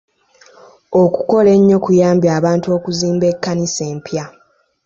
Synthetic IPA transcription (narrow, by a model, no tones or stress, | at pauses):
oku̥ko̞le̞ɲːo̞kujaːmbjaːβaːntuo̞ːkuziːmbe̞kːanise̞ːmpja